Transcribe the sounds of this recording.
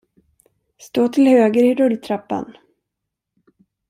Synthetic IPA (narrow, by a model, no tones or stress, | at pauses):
st̪oːt̪ʰɪlhøːɡəɾɪɾɵlt̪ʰɾapːa̰n